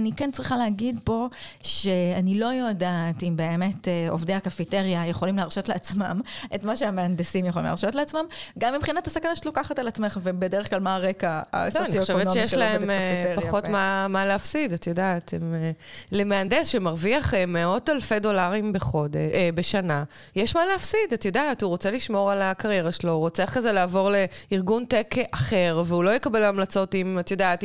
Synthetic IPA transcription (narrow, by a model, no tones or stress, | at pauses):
nikent͡sʁiχaleɦaɡidpo̞ʃe̞anilo̞jo̞daːtimbe̞ːme̞teovdejakafiteʁjaje̞χo̞limleaʁʃo̞tleat͡sma̰mʔetmaʃeameandesimjeχoḭmlḛa̰ʁʃo̞tleat͡smamɡamːibχinatasakanaʃe̥lokaχatalat͡sme̞χvebedeʁeχklalmaʁe̞kaa̰slooanijoʃevenoʃejeʃlaemfpaχotmamaleafsidatjodat̪emlemeandesʃemaʁviaχemːeo̞talfedo̞laʁimbeχodebeʃana | jeʃmaleafsidatjo̞daːtuʁot͡seliʃmo̞ʁalakaʁje̞ʁaʃelo̞ʁot͡seaχkazelaːvo̞ʁle̞iʁɡuntekʔaχe̞ʁveulo̞jekabelamlat͡so̞timatjo̞daːt